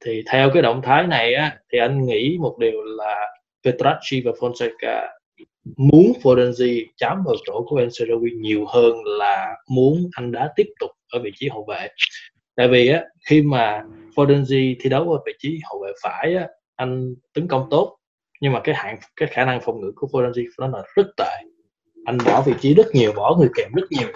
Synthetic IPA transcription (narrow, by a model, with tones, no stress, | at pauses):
t̪ʰi˨˩t̪ʰɛ˧wkaː˨˦jɗə̰˧˨wŋ͡mt̪ʰaː˨˦jna˨˩jʔaː˨˦t̪ʰi˨˩ʔa˧jŋ̟ŋḭ˧˥mo˨˩t̚ɗi˨˩əwlaː˨˩ | fe˧t̪ɾa˦˥t̚si˧vaː˨˩fɔ˧nsɛ˧ka̰ː˧ | mu˨˦ənfo˧zɛ˧nzi˧t͡ɕaː˨˦mɗə˨˩t͡ɕo̰˧˩ku˧˩əʔɛ˧mse˧zə˧wi˧ɲi˨˩əwhəː˧nlaː˨˩mu˨˦ənʔa˧jŋ̟ɗa̰ː˧˥t̪i˦˥əp̚t̪ʊ˨˩k͡p̚ʔəː˧˩vḭ˧˨t͡ɕi˨˦ɦo̰˧˨vḛ˧˨ | t̪a̰ː˧˨jvi˨˩ʔaː˨˦xi˧maː˨˩fo˧zɛ˧nzi˧t̪ʰi˧ɗə˨˦wəː˨˦vḭ˧˨t͡ɕi˨˦ho̰˧˨vḛ˧˨faː˧˩jʔaː˨˦ | ʔa˧jŋ̟t̪ə˨˦ŋkə˧wŋ͡mt̪o˦˥t̚ | ɲɨ˧ŋmaː˨˩kaː˨˦jha̰ː˧˨ŋkaː˨˦jxaː˧˩na˧ŋfɔ˨˩wŋ͡mŋɨ̰˧˥ku˧˩əfo˧zɛ˧nzi˧nɔ˨˦laː˨˩zə˦˥t̚t̪a̰ː˧˨j | ʔa˧jŋ̟ɓɔ˧˩vḭ˧˨t͡ɕi˨˦zə˦˥t̚ɲi˨˩əwɓɔ˧˩ŋɨ˨˩əjkɛ˨˩mzə˦˥t̚ɲi˨˩əw